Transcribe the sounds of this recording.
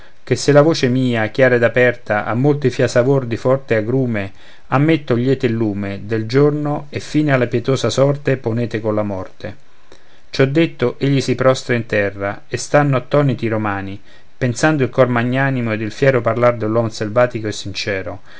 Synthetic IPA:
kesːelavoːt͡ʃemiːakjaːɾed̪apɛrt̪aʔa̰mːolt̪ifjasavord̪ifɔrt̪eaɡɾuːme | amːet̪ːoʎːɛːt̪ɪlːuːmed̪eld͡ʒornoefːiːnealːapjɛt̪oːsasɔrt̪eponeːt̪ekonlamɔrt̪e | t͡ʃɔd̪ːet̪ːoʔeʎːisipɾɔst̪ɾaint̪ɛrːa | est̪anːoat̪ːɔːnit̪iɾomaːni | pensand̪oilkɔrmaɲːaːnimoed̪ːilfjɛːɾoparlard̪elːwɔmselvaːt̪ikoesːint͡ʃɛːɾo

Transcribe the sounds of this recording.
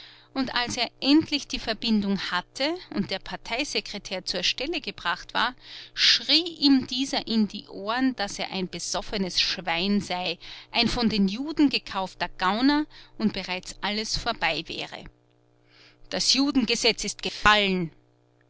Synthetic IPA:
ʔʊntʔalseːɐʔɛntʰlɪçd̥iːfɛɐbɪndʊŋhatʰəʊ̰nt̚d̥eːɐpʰaɐtʰaɪzekʁ̥etʰɛːɐt͡suːɐʃtɛləɡəbʁaχtv̥a̰ːɐʃʁiːʔiːmdiːzɐʔɪndḭːʔoːɐnd̥aseːɐʔa̰ɪnb̥əz̥ɔfənəsʃv̥aɪnzaɪʔaɪnfɔndeːnjuːdn̩ɡəkʰaʊftɐɡ̥aʊnaʔʊntb̥əʁaɪt͡sʔaləsfoːɐbaɪvɛ̰ːʁə̰ | d̥asjuːdn̩ɡəzɛt͡sɪst̚ɡ̥əfalən

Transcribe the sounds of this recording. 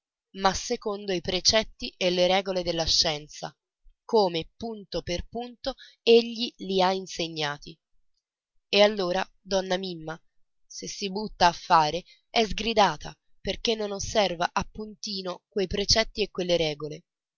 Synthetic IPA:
masːekond̪oipɾet͡ʃɛt̪ːiʔelːeɾɛːɡoled̪elːaʃːɛnt̪sa̰ | koːmepunt̪operpunt̪o | eʎːiliainseɲːaːt̪i | ealːoːɾa | d̪ɔnːamimːa | sesːibut̪ːaːfːaːɾe | ɛzɡɾid̪aːt̪ʰa̰ | perk̟enːonosːɛrvaʔapːunt̪iːnokwejpɾet͡ʃɛt̪ːiekwelːeɾɛːɡole

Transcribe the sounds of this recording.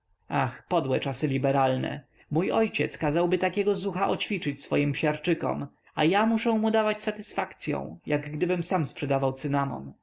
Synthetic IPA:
axpɔd̪wɛt͡ʂasɘlʲibɛɾalnɛ̰ | mujʔɔjt͡ɕɛt̪skazawbɘt̪akʲɛɡɔzuxaʔɔt͡ɕfʲit͡ʂɘt͡ɕsfɔjimpɕaɾt͡ʂɘkɔ̰m | ajamuʂɛ̃mud̪avat͡ɕsat̪ɘsfakt̪sʲjɔ̰̃w̃jaɡɡd̪ɘbɘmsamspʂɛd̪avawt̪sɘnamɔ̰n

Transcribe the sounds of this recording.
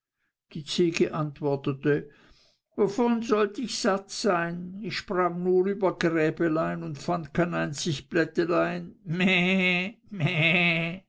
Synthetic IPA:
d̥iːt͡seːɡəʔantv̥ɔɐtətə | vofonzɔltɪçz̥atz̥aɪnɪçʃpʁ̥aŋnuːʁyːbɐɡʁɛːbəlaɪnʊntfand̚kʰaɪnaɪnt͡sɪçb̥lɛtəlaɪnmɛ | mɛ

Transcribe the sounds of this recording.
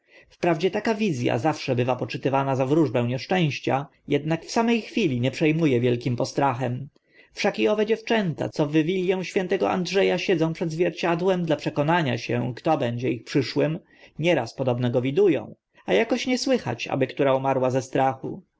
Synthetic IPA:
fpɾavd͡ʑɛt̪akavʲizʲja̰zafʂɛbɘvapɔt͡ʂɘt̪ɘvanazavɾuʐbɛ̃w̃ɲɛʂt͡ʂɛ̃w̃ɕt͡ɕa | jɛd̪̚nakfsamɛjxfʲilʲiɲɛpʂɛjmujɛvʲjɛlkʲimpɔst̪ɾaxɛm | fʂakiɔvɛd͡ʑɛft͡ʂɛnt̪a̰t̪sɔvɘvʲilʲjɛw̃ɕfʲjɛnt̪ɛɡɔa̰ndʐɛjaɕɛd̪zɔ̃w̃pʂɛd̪zvʲjɛɾt͡ɕad̪wɛmd̪lapʂɛkɔnaɲa̰ɕɛ̰̃kt̪ɔbɛɲd͡ʑɛixpʂɘʂwɘm | ɲɛɾaspɔd̪ɔbnɛɡɔvʲid̪ujɔ̰̃w̃ | ajakɔɕɲɛswɘxa̰t͡ɕa̰bɘkt̪uɾaumaɾwazɛst̪ɾaxu

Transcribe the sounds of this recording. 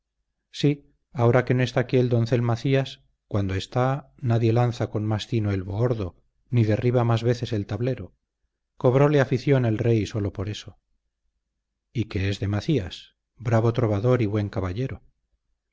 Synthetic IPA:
si | ao̞ɾake̞noest̪aːkield̪o̞nθe̞lmaθias | kwand̪oe̞st̪a | naðje̞lanθakonmasθinoe̞lβooɾðo̞ | niðe̞riβ̞amazβe̞θe̞se̞lt̪aβle̞ɾo̞ | ko̞β̞ɾo̞leafiθjo̞nelre̞jso̞lo̞poɾe̞so | ike̞ezðe̞maθias | bɾaβo̞t̪ɾo̞βaðo̞ɾiβwe̞ŋkaβaʎe̞ɾo

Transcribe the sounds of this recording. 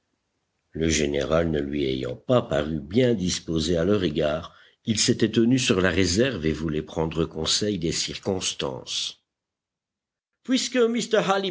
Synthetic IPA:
ləʒenḛʁalnəlɥiḛjɑ̰̃papaʁybjɛ̃d̪ispozealœʁeɡaːʁ | ilset̪ɛt̪ənysyʁlaʁezɛʁvevulɛpχɑ̃d̪ʁəkɔ̃sɛjd̪esiʁkɔ̃st̪ɑ̰̃s | pɥiskəmist̪əʁɦali

